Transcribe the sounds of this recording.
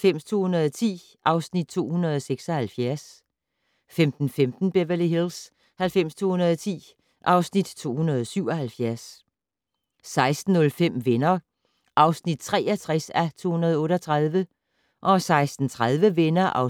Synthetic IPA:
fem̰st͡sʰo̝̰ːhunɐð̞ˠɒt͡sʰḭː | ʔɑ̈ʊsnid̥̚t͡sʰo̝̰ːhunɐð̞ˠɒseɡ̥sɒ̽hælfjæɐs | femd̥n̩femd̥n̩b̥eʋɐliɦils | hælfem̰st͡sʰo̝̰ːhunɐð̞ˠɒt͡sʰḭː | ʔɑ̈ʊsnid̥t͡sʰo̝̰ːhunɐðˠɒsyʊ̰ɒ̽hælfjæɐs | ɑ̈ɪsd̥n̩ɔ̽lfem̰ʋenɐ | ʔɑ̈ʊsnid̥̚t͡sʰʁɛ̰ːɐt͡sʰʁasæt͡sʰo̝̰ːhunɐð̞ˠɔ̽ːɾ̥ɐt͡sʰʁaðˠʋə | ʔɒ̽sɑ̈ɪsd̥n̩t͡sʰʁaðˠʋəʋenɐʔɑ̈ʊ

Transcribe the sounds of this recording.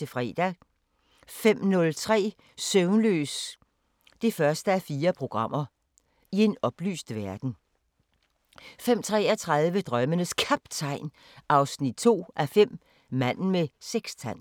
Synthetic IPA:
e̝fʁɛ̰ːd̥æ | fem̰nɔ̽lt͡sʰʁɛ̰ː | søʊnlø̰ːs | d̥e̝fɶɐsd̥əæfiːɐpʰʁo̝ɡ̥ʁɑ̈m̰ɐ | ie̝nɒ̽b̥ly̰ːsd̥ʋæɐd̥n̩ | fem̰t͡sʰʁɛ̰ːɐt͡sʰʁað̞ˠʋəd̥ʁɶmənəskʰæb̥t͡sʰɑ̈ɪ̰n | ʔɑ̈ʊsnid̥̚t͡sʰo̝̰ːʔæɐfem̰ | mæn̰n̩meseɡ̥st͡sʰæn̰

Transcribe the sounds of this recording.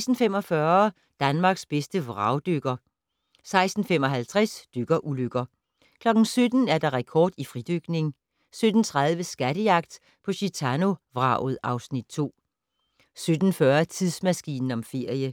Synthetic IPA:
sd̥n̩fem̰ɒ̽fɶːɐ | d̥ænmɑ̈ːɡ̥sb̥esd̥əʋʁɑ̈ʊd̥øɡ̥ɐ | sɑ̈ɪsd̥n̩femɒ̽ɦælt͡sʰʁɛsd̥øɡ̥ɐʔuløɡ̥ɐ | kʰlɒ̽ɡ̥n̩sød̥n̩æɐd̥ɑ̈ʁɛkʰɒ̰ːd̥ifʁid̥øɡ̥ne̝ŋ | sød̥n̩t͡sʰʁɑð̞ˠʋəsɡ̥æɾ̥əjɑ̈ɡ̥̚d̥ | pʰɒ̽ɕit͡sʰæno̝ʋʁɑ̈ð̩ˠʔɑ̈ʊsnid̥̚t͡sʰo̝̰ː | sød̥n̩fɶɐt͡sʰiðˠsmæsɡ̥ḭːnn̩ɒ̽mfe̝ɐ̰jə

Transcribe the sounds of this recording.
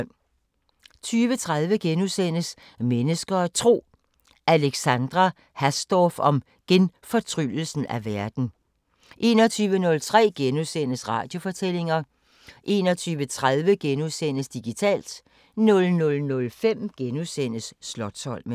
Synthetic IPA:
t͡sʰyːʋət͡sʰʁaðˠʋəɡ̥enuðˠsen̰əs | menəsɡ̥ɐɒt͡sʰʁo̝̰ː | ʔæleɡ̥sænd̥ʁɑ | hæsd̥ɒːfɒ̽m | ɡ̥enfɒ̽t͡sʰʁy̰ːl̩sn̩æʋæɐd̥n̩ | ʔe̝̰ːnɒt͡sʰyːʋənɔ̽lt͡sʰʁɛ̰ːɡ̥enuðˠsen̰əsʁɑ̈ːd̥jo̝fɒ̽t͡sʰel̰e̝ŋɐ | ʔe̝̰nɒt͡sʰyːʋət͡sʰʁaðˠʋəɡ̥enuðˠsen̰əsd̥iɡ̥it͡sʰɛ̰ːld̥ | nɔ̽lnɔ̽lnɔ̽lfem̰ɡ̥enusen̰əsːlɒ̽d̥sɒ̽l̰m

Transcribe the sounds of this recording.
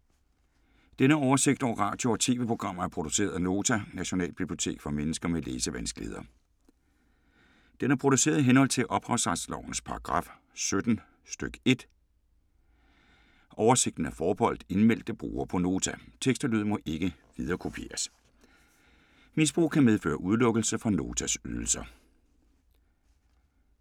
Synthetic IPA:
d̥enəɒʊɐse̝ɡ̥̚d̥ɒʊ̰ʁɑ̰̈ːd̥jo̝ɒ̽t͡sʰe̝̰ːʋe̝pʰʁo̝ɡ̥ʁɑ̈m̰ɐæɐpʰʁo̝d̥u̥se̝̰ːɐðˠno̝ːt͡sʰænæɕo̝nɛ̰ːl̥b̥ib̥lio̝t͡sʰe̝̰ːɡ̥fɒmenəsɡ̥ɐmeleːsəʋænsɡ̥lihe̝ðˠɐ | d̥enæɐpʰʁo̝ɾ̥use̝̰ːɐð̞ˠiɦenhɒ̽l̰t͡sʰe̝lʔɒ̽b̥ʁɑ̈ʊsʁɑ̥̈slɒʊ̰n̩spʰɑ̈ʁɑ̈ɡ̥ʁɑ̈ːf | sød̥n̩ | sd̥øɡ̥e̝d̥ | ʔɒʊɐse̝ɡ̥d̥n̩æfɒːb̥ɒ̽l̰d̥e̝nmel̰d̥əb̥ʁṵːɐpʰɒ̽no̝ːt͡sʰæt͡sʰeɡ̥sd̥ɐlyð̞̰ˠmɒ̽ʔe̝ɡ̥əʋiðˠɐːkʰo̝pʰe̝̰ːɐs | mis̬b̥ʁṵːkʰæmeð̞ˠfø̰ːɐʔuð̞ˠlɔ̽ɡ̥əl̩səfɒ̽no̝̰ːt͡sʰæsyðˠl̩sɐ

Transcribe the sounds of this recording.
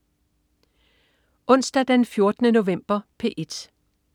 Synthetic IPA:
ʔɔ̽n̰sd̥æd̥enfjo̝ɐd̥ənəno̝ʋem̰b̥ɐpʰe̝ʔed̥

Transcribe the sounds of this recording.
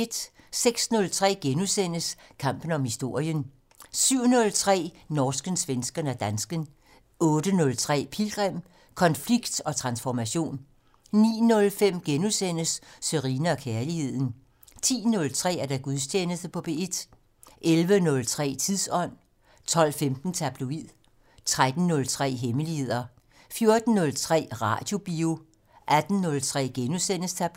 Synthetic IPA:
e̝d̥ | seɡ̥snɔ̽lt͡sʰʁɛ̰ːɡ̥enusen̰əskʰɑ̈m̰b̥n̩ɒ̽mhisd̥o̝ɐ̰jən | syʊ̰nɔ̽lt͡sʰʁɛ̰ː | nɒːsɡ̥ənsʋensɡ̥ɐnəæd̥ænsɡ̥ən | ɔ̽ːd̥ənɔ̽lt͡sʰʁɛ̰ːpʰilɡ̥ʁɛm̰ | kʰɒ̽nfliɡ̥d̥ɒ̽t͡sʰʁɑ̈nsfɒmæɕo̝̰ːnː | ḭːnɔ̽lfem̰ɡ̥enusen̰əsːøʁiːnəɒ̽kʰæɐlihe̝ð̞̰ˠn̩ | t͡sʰḭːnɔ̽lt͡sʰʁɛ̰ːæɐɾ̥æɡ̥uðˠsʰeːnəsd̥əpʰɒ̽b̥e̝ed̥ | ʔelʋənɔ̽lt͡sʰʁɛ̰ːt͡sʰiðˠsɒ̽n̰ | t͡sʰɒ̽l̰femd̥n̩t͡sʰæb̥loið̰ˠ | t͡sʰʁad̥n̩ːɔ̽lt͡sʰʁɛ̰ːɦeməlihe̝ð̞̰ˠɐ | fjo̝ɐd̥n̩ːɔ̽lt͡sʰʁɛ̰ːʁɑ̰̈d̥jo̝b̥io | ʔæd̥n̩ːɔ̽lt͡sʰʁɛ̰ːɡ̥enusen̰əst͡sʰæb̥

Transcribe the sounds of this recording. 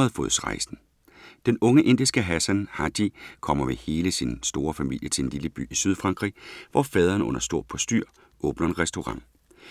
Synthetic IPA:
ð̩ˠfoðˠsʁɑ̈ɪsn̩ | d̥enɔ̽ŋəʔe̝n̰d̥isɡ̥əɦæsænhɑd̥ikʰɒ̽m̰ɐmehe̝ːləsinsd̥o̝ːɐfæmil̰jət͡sʰe̝lenliləb̥y̰ːisyð̞ˠfʁɑ̈ŋɡ̥ʁḭʋɒfɛːð̞ˠɐːnɔ̽n̰ɐsd̥o̝ɐ̰̥pʰɒ̽sd̥yɐ̰ | ʔɔ̽ːb̥nɐe̝nʁɛsd̥o̝ʁɑ̈ŋ̰

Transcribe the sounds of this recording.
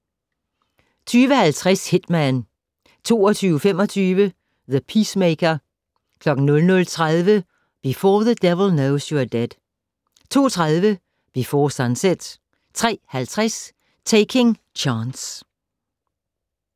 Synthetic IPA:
t͡sʰyːʋəhælt͡sʰʁashe̝d̥mæn | t͡sʰo̝̰ːɒt͡sʰyːʊəfem̰ɒt͡sʰyːʋə | ðəpʰismeɪkɐ | kʰlɒ̽ɡ̥n̩nɔ̽lnɔ̽lt͡sʰʁaðˠʋə | b̥ifɔːðəd̥ɛʋl̩ˠnoʊsjɔd̥ed̥ | t͡sʰo̝̰ːt͡sʰʁaðˠʋə | b̥ifɒːsɑnsed̥ | t͡sʰʁɛ̰ːhælt͡sʰʁas | t͡sʰeɪkʰe̝ŋ | t͡ɕʰɑːns

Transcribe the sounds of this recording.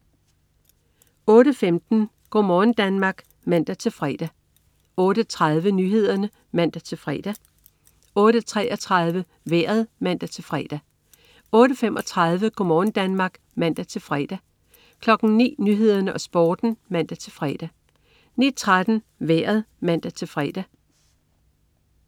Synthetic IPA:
ɔ̽ːɾəfemd̥n̩ | ɡ̥ɒmɒːn̩d̥ænmɑ̈ːɡ̥ | mæn̰d̥æt͡sʰe̝lfʁɛ̰d̥æ | ɔ̽ːɾ̥ət͡sʰʁɑðˠʋənyːɦe̝ð̞̰ˠɐnə | mæn̰d̥æt͡sʰe̝lfʁɛ̰ːd̥æ | ɔ̽ːɾət͡sʰʁɛːʔɒt͡sʰʁɑðˠʋə | ʋeɐ̰ðˠmæn̰d̥æt͡sʰe̝lfʁɛːd̥æ | ɔ̽ːɾəfemʔɒ̽t͡sʰʁɑ̈ðˠʋəɡ̥omɒːn̩d̥ænmɑ̈ːɡ̥ | mæn̰d̥æt͡sʰe̝lfʁɛ̰ːd̥æ | kʰlɒ̽ɡ̥n̩nḭːnyːɦe̝ð̞̰ˠɐnəʔɒ̽sb̥ɔːd̥n̩mæn̰d̥æt͡sʰe̝lfʁɛ̰ːd̥æ | ni̥t͡sʰʁad̥n̩ | ʋeɐ̰ð̩ˠmæn̰d̥æt͡sʰe̝lfʁɛ̰ːd̥æ

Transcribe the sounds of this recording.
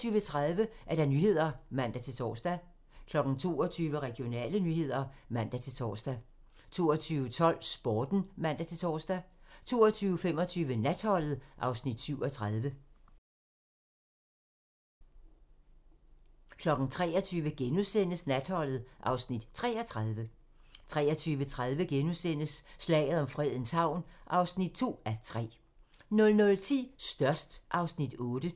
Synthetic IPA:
yːʋət͡sʰʁaðˠʋəʔæɐɾ̥ɑ̈nyːhe̝ð̞̰ˠɐmæn̰d̥æt͡sʰe̝lt͡sʰɒ̰ːsd̥æ | kʰlɒ̽ɡ̥ŋ̩t͡sʰo̝̰ːɒt͡sʰyːʋəʁɛɡ̥ijo̝nɛ̰ːlənyːhe̝ð̞̰ˠɐmæn̰d̥æt͡sʰe̝lt͡sʰɒ̰ːsd̥æ | t͡sʰo̝̰ːɒt͡sʰyːʊət͡sʰɒ̽l̰sb̥ɒːd̥n̩mæn̰d̥æt͡sʰe̝t͡sʰɒ̰ːsd̥æt͡sʰo̝̰ːɒt͡sʰyːʊəfem̰ɒ̽t͡sʰyːʋənæd̥hɒ̽l̰ð̞̩ˠʔɑ̈ʊsnid̥syʊɒt͡sʰʁað̞ˠʋə | kʰlɒ̽ɡ̥n̩t͡sʰʁɛ̰ːɒt͡sʰyːʋəɡ̥enusen̰əsnæd̥hɒ̽l̰ð̩ˠʔɑ̈ʊsnid̥t͡sʰʁɛːɒt͡sʰʁað̞ˠʋə | t͡sʰʁɛːɒt͡sʰyːʋət͡sʰʁaðˠʋəɡ̥enusen̰əsːlɛ̰ːɪð̞̩ˠɒ̽mfʁɛð̞̰ˠn̩shɑ̈ʊ̰nʔɑ̈ʊsnid̥̚t͡sʰo̝̰ːæt͡sʰʁɛ̰ː | nɔ̽lnɔ̽lt͡sʰḭːsd̥ɶɐsd̥ʔɑ̈ʊsnid̥ɔ̽ːd̥ə

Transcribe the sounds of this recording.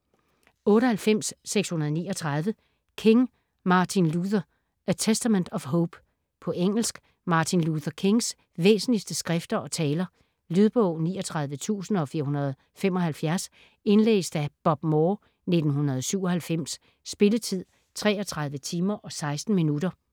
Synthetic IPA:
ɔ̽ːɾəhælfem̰sːeɡ̥shunɐð̞ˠnḭːɒ̽t͡sʰʁɑð̞ˠʋə | kʰe̝ŋ | mɑ̈ːt͡sʰinluðˠɐ | æt͡sʰesd̥æmend̥ɒ̽fɦɔʊb̥ | pʰɒ̽ʔeŋ̰l̩sɡ̥ | mɑ̈ːt͡sʰinluðˠɐkʰe̝ŋs | ʋḛːsn̩lisd̥əsɡ̥ʁɛfd̥ɐʔɒ̽t͡sʰɛːlɐ | lyð̞ˠb̥ɔʊ̰niːɒ̽t͡sʰʁɑ̈ð̞ˠʋət͡sʰṵːsn̩ɒ̽fiːɐhunɐð̞̩ˠ | fem̰ɒ̽hælfjæɐs | e̝nlḛːsd̥æb̥ɒ̽b̥mɔː | ne̝d̥n̩ɦunɐð̞ˠsyʊ̰ɒ̽hælfem̰sː | b̥e̝lət͡sʰið̞̰ˠ | t͡sʰʁɛ̰ːɒt͡sʰʁɑ̈ð̞ˠʋət͡sʰiːmɐʔɒ̽sɑ̈ɪsd̥n̩minudɐ

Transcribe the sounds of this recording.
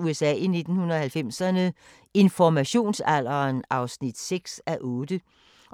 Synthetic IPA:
uesɛ̰ːine̝d̥n̩hunɐɒhælfem̰sɐnə | e̝nfɒmæɕo̝̰ːnsæl̰ɐːnɑ̈ʊsnid̥seɡ̥sæʔɔ̽ːd̥ə

